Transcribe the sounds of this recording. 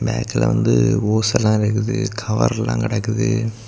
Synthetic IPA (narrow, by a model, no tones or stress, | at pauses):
bɛːkːɪlɐ̰ʋɐnd̪ɯoːsɛlːãːɪɾɯk̬ːɯðɯkʰɐʋɐ̰ɾlːã̰ːkɪɽɐkːɯðɯ